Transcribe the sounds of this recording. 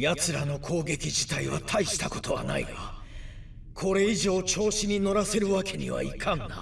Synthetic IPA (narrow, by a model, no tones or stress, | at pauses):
jat͡sɨɾano̞kʰo̞ːɡe̞kʲiʑi̥t̪aiβa̰t̪ʰaiɕi̥t̪ako̞̥t̪o̞βa̰na̰ḭka | kʰo̞ɾe̞iʑo̞ːt͡ɕo̞ːɕiɲ̟ino̞ɾase̞ɾɯ̟βakʰe̞ɲ̟ḭβa̰ḭkʰãŋːa